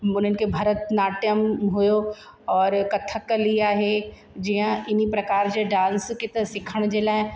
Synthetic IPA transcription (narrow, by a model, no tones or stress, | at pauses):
ʊn̤ənɪkebʱɐɾət̪naːʈjəmɦʊjo | ɔːɾkɐt̪ʰːəkːɐliaːɦe | d͡ʒiɦãʔɪnipɾɐkaːɾd͡ʒeɖãːnsket̪ɐsɪkʰəɽ̃d͡ʒeːlaɦɛ̃